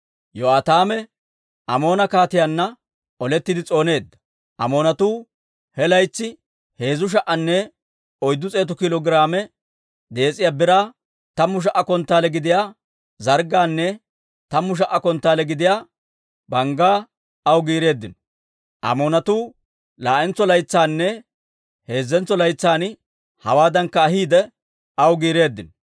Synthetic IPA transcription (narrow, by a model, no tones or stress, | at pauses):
joaːt̪aːmɛ | ʔɐmo̞ːnɐkaːt̪ɪjanːɐ | ɔlɛt̪ːɪd̪ɪt͡sʼo̞ːne̞ːd̪ːɐ̥ | ʔɐ̰mo̞ːnɐt̪uː | hɛlɐjt͡sːɪ | he̞ːzʊʃ̬ɐʔɐnːɛ | ɔjd̪ːʊt͡sʼe̞ːt̪ʊkɪlɔɡɾaːmɛ | d̪e̞ːt͡sʼːɪjaːbɪɾaː | t̪ɐmːʊʃ̬ɐʔːɐkɔnt̪ːaːlɛɡɪd̪ɪjaː | zɐɾɡaːnːɛ | t̪ɐmːʊʃ̬ɐʔːɐkɔnt̪ːaːlɛɡɪd̪ɪjaː | bɐŋɡaː | ɐwɡiːɾe̞ːd̪ːɪnɔ | ʔɐ̰moːnɐt̪uː | laːʔɛnt͡sːɔlɐjt͡sːaːnːɛ | he̞ːzːɛnt͡sːɔlɐjt͡sːaːn | hɐ̰waːd̪ɐŋkːɐːɦiːd̪ɛ | ɐwɡiːɾe̞ːd̪ːɪnɔ